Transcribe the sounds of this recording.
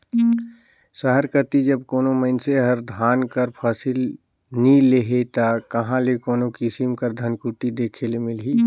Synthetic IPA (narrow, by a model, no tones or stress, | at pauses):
səɦəɾkət̪id͡ʒəbkoːnoməɪnseɦəɾd̪ʱaːnkəɾpʰaːsil | nileɦet̪akəɦãlekoːnokɪsimkəɾd̪ʱənkuʈid̪eːkʰelemɪlɦiː